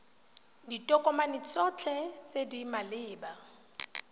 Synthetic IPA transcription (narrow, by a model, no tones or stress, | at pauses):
ditʼɔkʼɔmanit͡sʼɔt͡ɬʰɛt͡sʼedimalɪːba